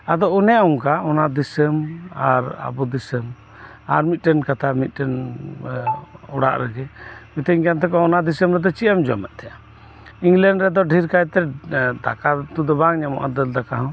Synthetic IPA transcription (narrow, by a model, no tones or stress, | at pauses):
ad̪ɔʔunɛjauŋkaɔnad̪isəma̰ɾa̰bɔd̪isəm | a̰ɾmit̪̚ʈɛnkat̪ʰamit̪̚ˀʈɛn | ɔɽa̰ʔɾɛɡɛmit̪ɛɲkant̪ʰɛkɔɔnad̪isəmɾɛd̪ɔt͡ʃiamd͡ʒɔa̰mɛʔ̚t̪ʰɛja | iŋɡlɛɳɖɾɛd̪ɔɖʱiɾkajt̪ɛd̪a̰kat̪ud̪ɔbaŋɲamɔ̰ʔad̪əld̪akaɦɔ̃